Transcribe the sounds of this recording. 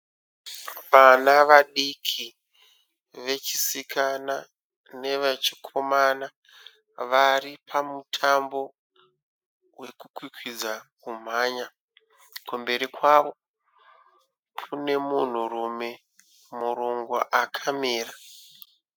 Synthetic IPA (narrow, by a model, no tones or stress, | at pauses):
ʋanaʋaɗikʰi | ʋe̞t͡ʃi̥sikʰana | ne̞ʋet͡ʃi̥kʰo̞mana | ʋaripʰamutʰambo̞ | we̞kukwikwid͡zakum̤aːɲa | kwambe̞ɾikwaʋo̞ | kʰune̞mun̤urume̞ | muɾoŋɡwa̰ʔakʰamiːra